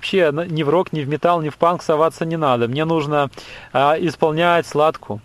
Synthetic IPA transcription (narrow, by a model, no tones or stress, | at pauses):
ɐpɕːennʲɪvɾo̞knʲɪvmʲɪt̪alˠnʲɪfpanksɐvat̪sənʲɪnad̪əmnʲe̞nuʐnə | ɪspɐlˠnʲætʲslˠat̪kʰʊ